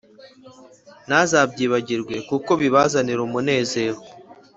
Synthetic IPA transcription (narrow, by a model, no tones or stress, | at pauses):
nazaːbɟiːβaɟiɾɡwe̞kuko̞βiβazaniɾumune̞ːze̞ːɾo